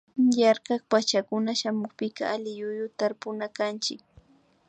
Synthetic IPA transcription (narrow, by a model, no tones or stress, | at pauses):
jaɾkɑkpat͡ʃakʊnaʃamʊχpɪka̰alɪjʊjʊt̪aɾpʊnakant͡ʃɪk̚